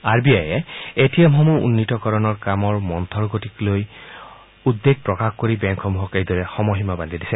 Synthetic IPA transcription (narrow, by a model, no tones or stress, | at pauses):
aɹbiajɛetijamɦɔmuṵnːitɔkɔɹɔnɔɹkamɔɹmɔnt̪ʰɔɹɡotikloj | ud̪ːeɡ̚pɹɔkaxkoɹibɛŋkʰɔmuɦɔkejdɔɹɛxɔmɔɦimaband̪ʱidisɛ